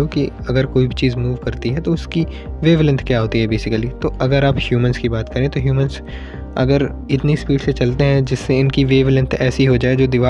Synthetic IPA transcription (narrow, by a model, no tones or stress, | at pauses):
oki | ɐɡəɾkoːibʱit͡ʃiːzmuːʋkɐɾt̪iɦɛt̪oʊski | ʋeːʋɪlə̃nt̪ʰkjaːɦoːt̪iɦɛbeːsɪkəlit̪oːʔɐɡəɾaːphjuːmənskibaːt̪kɐɾẽt̪oɦjuːmə̃nz | ɐ̰ɡəɾ | ɪt̪nispiːʈset͡ʃɐlt̪eɦɛ̃d͡ʒɪsːeɪnkiʋeːʋɪlə̃nt̪ʰɛːsiɦod͡ʒaːed͡ʒoːd̪ɪʋaː